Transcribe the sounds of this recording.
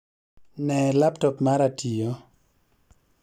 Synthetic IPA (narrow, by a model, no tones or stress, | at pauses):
nɛlaptɔpmaɾatʰijo